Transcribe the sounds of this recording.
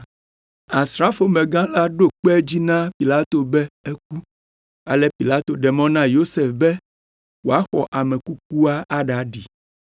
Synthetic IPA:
a˨sɾa˦fo˨mẽ˨ɡã˦la˦ɖo˦k͡pɛ˦d͡ʑi˦nã˦pi˨la˦t̪o˨bɛ˦e˦k̚u˦ | a̰˨lɛ˦pi˨la˦t̪o˨ɖɛ˨mɔ̃˦nã˦jo˦se˨fbɛ˦ | wo˨a˦xɔ˨ʔa˨mɛ̃˨ku˦k̚u˦a˦ʔa˦ɖa˨˦ɖi˨

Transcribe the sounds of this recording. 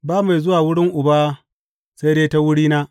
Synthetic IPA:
baː˦ma˨jzʊ˦waː˨wʊ˦ɽɪ˦ŋʔʊ˨baː˦ | sa˦jdeː˦ta˦wʊ˦ɽiː˦naː˦

